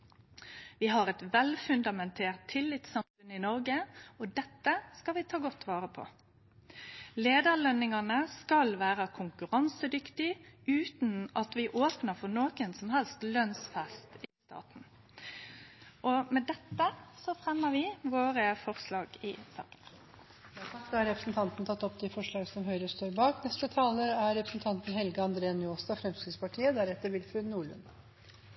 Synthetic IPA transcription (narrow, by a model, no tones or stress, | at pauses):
ʋɪɦɑʁɛt̪ʋɛlfʉnd̪ɑmɛnt̪ʰeːʁt̪ʰːɪlːɪt̪sɑmfʉnɪnɔɾɡəɔd̪ɛt̪ːəskɑlʋɪt̪ʰɑːɡɔt̪ʰːʋɑːʁəpʰɔ̰ | leːd̪əɾlœnɪŋɑnəskɑlʋæːʁəkʰʊŋkʉʁɑnsəd̪ʏkt̪ɪʉːt̪nɑt̪ʋɪʔoːpnəɾfɔnoːkənsɔmhɛlst̪lœnsfɛst̪ɪst̪ɑ̰ːt̪n̩ | ʔɔmɛd̪ɛt̪ːəsɔfɾɛmːəʋɪʋoːɾəfɔʁslɑːɡɪsɑ̰ːkən | ɑsɑkt̪ɔɑɾɛpɾəsnt̪ʰɑnt̪nt̪ʰɑt̪ːɔpd̪ɛfɔʂɭɑːɡəsɔmɦœʏɾəst̪oːɾbɑːknɛst̪ət̪ʰɑːləæɾɾɛpɾəsn̩t̪ʰɑnt̪n̩hɛlɡəɑnd̪ɾeːnoːst̪ɑfɾɛmskɾɪt̪spɑʈʰiːəd̪æːɾɛt̪ːəɾʋɪlfʉnuːɭʉ̰n